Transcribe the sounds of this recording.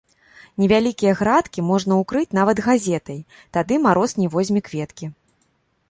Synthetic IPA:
nʲɛvʲalʲikʲijɐɣɾat̪kʲimɔʐn̪ɐukɾɨt͡sʲn̪avɐd̪ɣazʲɛt̪ɐj | t̪ad̪ɨmaɾɔsnʲijvɔzʲmʲikvʲɛt̪kʲi

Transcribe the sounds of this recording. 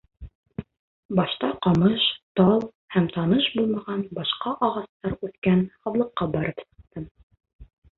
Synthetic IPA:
bɑʃt̪ɑqɑmɤʃt̪ɑlˠ | hæmt̪ɑnɤʃbulˠmɑʁɑnbɑʃqɑʔɑʁɑst̪ɑɾʉθkænhɑwlˠɤ̆qːɑbɑɾɤpsɤ̥̆q̚t̪ɤm

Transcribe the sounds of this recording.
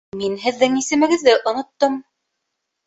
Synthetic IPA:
minɦɘ̆ðːɘŋisɘ̆mɘ̆ɡɘ̆ðːɘʔŏnŏt̪ːɤm

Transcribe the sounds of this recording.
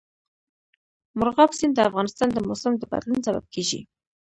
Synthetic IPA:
mʊɾɣɑpsɪnd̪əafɣɑnɪst̪ɑnd̪əmʊsɪmd̪əba̰d̪lunsaba̰b̚kʰeʒḭ

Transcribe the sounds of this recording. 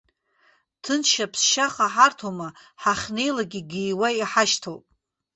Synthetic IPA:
tʰɨnʃapʰsʃaχaħartʰomaħaχʲne̞jlaɡʲiɡijwajiħaʃtʰowpʼ

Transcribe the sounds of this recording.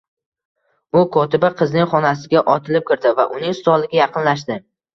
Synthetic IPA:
ʊkʰɒt̪ɪbɪqʰɨznɪŋχɒnas̬ɪɡʲaʔɒt̪ʰɪlɪp̚kʲɪɾd̪ɪva̰ʔʊnɪŋst̪ɒlɪɡʲajɑqɨnlaʃ̬d̪ɪ

